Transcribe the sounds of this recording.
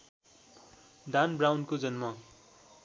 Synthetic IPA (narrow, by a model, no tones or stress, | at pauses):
d̪ʱanbrawnkod͡zʌnmʌ